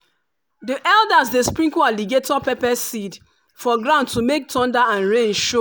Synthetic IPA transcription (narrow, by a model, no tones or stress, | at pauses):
diʔɛldasdespɹĩŋkualiɡetɔpepɛsid | fɔɡɹãndtumek̚tʰɔ̃ndaãnɹẽnʃo